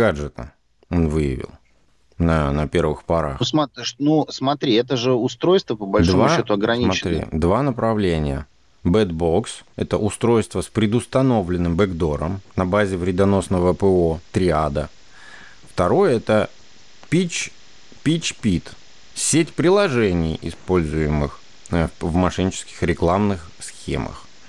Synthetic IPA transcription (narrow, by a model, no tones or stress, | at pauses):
ɡad͡ʐʐɨt̪ə̰ | o̞nvɨjɪ̰vʲɪ̰lˠ | nənɐpʲe̞rvɨ̰xpɐɾa̰xsmɐɪʂnusmɐt̪ɾʲiɛt̪əʐɨʊst̪ɾojst̪vəpəbɐlʲd̪omvaʃot̪ʊɐɡɾɐnʲimɐt̪ɾʲḭd̪vanəpɾɐvlʲenʲɪjə̰ | bɛd̪bo̞ksɛt̪əʔʊst̪ɾo̞jst̪vəspɾʲɪd̪ʊst̪ɐno̞vlʲɪnːɨmbəɡd̪o̞ɾə̰mnɐbazʲɪvɾʲɪd̪ɐno̞snəvəpəot̪ɾʲɪad̪ə | ft̪ɐɾo̞jəɛt̪ə | pʲit͡ɕ | pʲit͡ɕpʲit̪ | sʲetʲpɾʲɪlˠɐʐɛnʲɪ̰jɪ̰spo̞lʲzʊjɪmɨ̰x | vmɐʂɨnʲɪt͡ɕɪ̥skʲɪ̥xɾʲɪklˠamnɨx | sxʲḛmə̰x